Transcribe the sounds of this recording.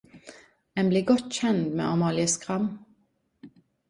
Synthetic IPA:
ɛnbliːɡɔt̪çɛnd̪mḛːʔɑmɑːlɪəskʁɑm

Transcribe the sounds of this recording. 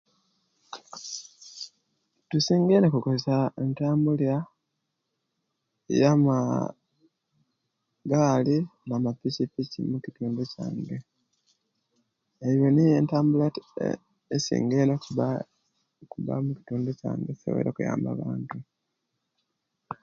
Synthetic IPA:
tusiːŋɡeːnekukozesaentaːmbulja | jama | ɡaːlinamapicipicḭmucituːnduca̰ːŋɡe | ejonijentaːmbula | esḭːŋɡeno | kuβa̰muki̥tuːnduca̰ːŋɡeti̥so̰βḛɾokuja̰ːmba̰βaːntu

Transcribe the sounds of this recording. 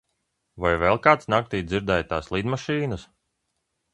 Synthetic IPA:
vajvɛlˠkaːt̪snak̚t̪iːd̪ziɾd̪ɛjt̪aːslˠiːd̪maʃiːnəs

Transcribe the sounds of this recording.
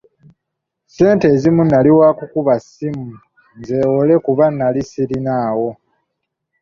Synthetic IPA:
se̞ːnte̞ːzimunːaliwakukuβasimu | nze̞wole̞kuβanːalisiɾinaːwo̞

